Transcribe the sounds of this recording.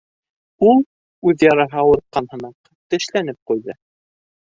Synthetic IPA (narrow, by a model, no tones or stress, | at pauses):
ulˠ | ʉðjɑɾɑɦɑwɤ̆ɾt̪̚qɑnhɤ̆nɑq | t̪ɘ̆ʃlænɘp̚qujðɤ